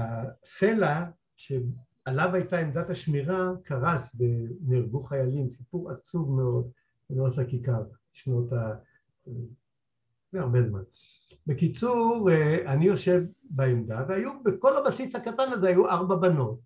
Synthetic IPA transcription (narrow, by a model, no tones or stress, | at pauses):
asela | ʃe̞ | alavajtaemd̪at̪aʃmiʁakʰaʁasveniʁɡuχajalimsipuʁat͡suvmeo̞d̪ | benothakikaʁ | ʃno̞ta | e | meaʁbezman | be̞kit͡suʁanijo̞ʃe̞vbaemd̪avehajubeko̞labasishakatanazehajuʔaʁbabano̞t̚